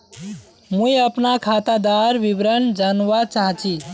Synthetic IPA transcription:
mujəpnakʰat̪ad̪aɾbibɾənd͡ʒanʋat͡ʃaɦt͡ʃʰi

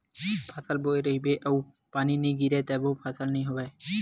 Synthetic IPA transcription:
pʰaːsəlboːeɾəɦibeːʔəu | paːninĩɡiːɾɛːt̪ɛːbopʰaːsəlnəɦĩɦoːʋeː

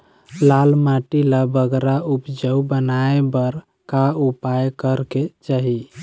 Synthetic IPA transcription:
lalmaʈilabəɡɾaupd͡ʒəwbənaebəɾ | kaupajkəɾket͡ʃaɦi

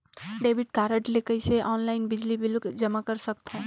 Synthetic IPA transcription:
ɖeːbiʈkaːɾəʈlekəiseʔɔːnlaɪnbɪd͡ʒlibɪlkd͡ʒəmakəɾsək̚t̪õ

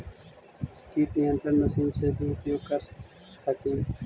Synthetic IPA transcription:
t̪iːʈnijə̃nt̪ɾənnəsiːnseːbʱiːʊpjoːɡ̚kəɾ | tʰəkʰĩː

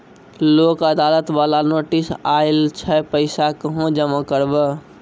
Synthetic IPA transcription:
loːkəd̪aːlət̪ʋalanoːʈisaɪlt͡ʃʰɛpəɪsakəɦõd͡ʒəmakəɾbə

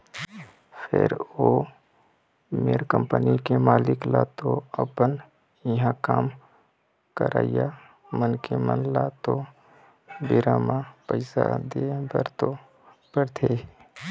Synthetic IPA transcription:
pʰɪ̰ɾoː | meːɾkə̃mpənikemaːlɪklaːt̪oəpən | jəɦãkaːm | kəɾʔa̰ːija | mənkemə̰nlat̪o | bɪɾaːmãpəɪsad̪ebəɾt̪o | pəɾt̪ʰeː

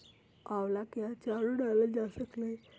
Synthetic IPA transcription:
aʋlakjat͡ɕaɾuɖaləd͡ʑasəknaj

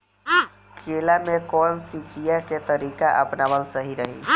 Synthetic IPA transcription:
kʰeːlamẽkɔːnsit͡ʃijaket̪əɾiːkaʔəpnaʋəlsəɦiɾəɦḭ

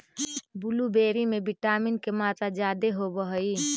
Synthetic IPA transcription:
bʊlubeːɾimẽbɪʈaːmɪnkemaːt̪ad͡ʒaːd̪eɦobəɦəi

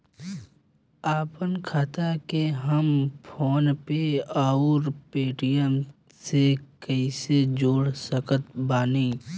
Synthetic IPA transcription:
aːpənkʰaːt̪akeɦəmpʰoːnpeaːuɾpeːʈijən | sekəised͡ʒoːɽsəkət̪baːniː

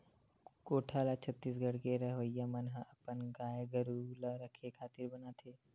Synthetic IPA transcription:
koːʈʰaːlat͡ʃʰət̪ːiːsɡʱəɽkeɾəɦʋəjːamənɦəɐpənɡaːjɡəɾulaɾəkʰekʰaːt̪ɪɾbənat̪ʰeː

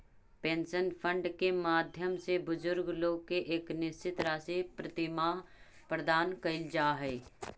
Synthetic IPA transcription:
pẽːnsənpʰə̃ɳɖkemaːd̪ʱjəmsebʊzʊɾɡloːɡ̚keʔeːknɪst͡ʃɪt̪ɾaːsipɾɐt̪ɪmaːɦ | pɾəd̪aːnkɐɪld͡ʒaːɦɛː

